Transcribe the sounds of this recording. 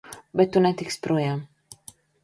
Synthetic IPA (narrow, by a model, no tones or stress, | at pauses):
bɛt̪unat̪ikspɾujam